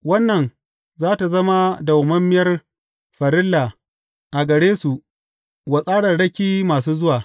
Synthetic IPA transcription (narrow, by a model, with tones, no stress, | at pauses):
wɐ˦nːɐ˨n | zaː˦ta˨zɐ˦ma˦da˨wʊ˨mɐ˦mːɪ˦jɐ˦r | ɸɐ˨ɾɪ˦lːa˨ | ʔa˨ɡɐ˨ɽeː˦su˨ʔ | wɐ˨sʼaː˦ɽɐ˨rɽɐ˦kʲiː˦maː˨suː˦zʊ˦waː˨